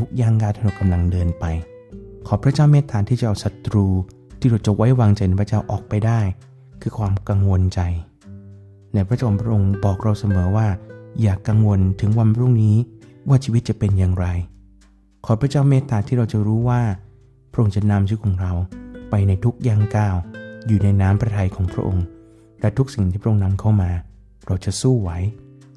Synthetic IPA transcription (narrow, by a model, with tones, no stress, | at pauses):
u˦˥k̚jaː˧˩ŋkaː˧˩t̪ʰi˦˥˩a˧˩ka˧mla˧ŋdɤː˧npa˧j | kʰɔː˨˩˦pʰɾa˦˥t͡ɕaː˥˩wmeː˦˥t̪ʰːaː˨˦t̪ʰiː˥˩t͡ɕa˨ʔa˨˩wsa˨˦t̪ɾuː˧ | t̪ʰiː˥˩ɾa˧wt͡ɕa˨˩wa˦˥jwaː˧ŋt͡ɕa˧jna˧˩pʰɾa˥t͡ɕaː˥˩wʔɔː˨˩k̚pa˧jdaː˥˩j | kʰɯː˧kʰwaː˧mka˧ŋwo˧nt͡ɕa˧j | naː˧˥pʰɾa˦˥t͡ɕa˥˧˨mpʰɾa˥ʔo˧ŋbɔː˨˩k̚ɾa˧wsa˧mɤː˩˦waː˥˩jaː˨˩kːa˧ŋwo˧nt̪ʰɯ˩˦ŋwa˧npʰɾu˥˩ŋniː˦˥waː˥˩t͡ɕʰiː˧wi˦t̪̚t͡ɕa˨˩pe˧njaː˨˩ŋɾa˧j | kʰɔː˨˦pʰɾa˧˥t͡ɕaː˥˩wmeː˦˥t̪aː˨˩t̪ʰiː˥˩ɾa˧wt͡ɕa˨˩ɾuː˦˥waː˥˩ | pʰɾʔo˧ŋt͡ɕa˨˩na˧mt͡ɕʰɯː˦˥kʰɔː˨˦ŋɾa˧wpa˧jna˧jt̪ʰu˦˥k̚jaː˥˩ŋkaː˥˩wjuː˨˩na˧jnaː˦˥mpʰɾa˧t̪ʰa˧jkʰɔː˩˦ŋpʰɾa̰˦˥ʔo˧ŋ | lɛ˦˥t̪ʰu˦˥k̚si˨˩ŋt̪ʰiː˥˩pʰɾa˦ʔo˧na˧˥mkʰa˥˩wmaː˧ | ɾa˧wt͡ɕa˨˩suː˥˩wa˦˥j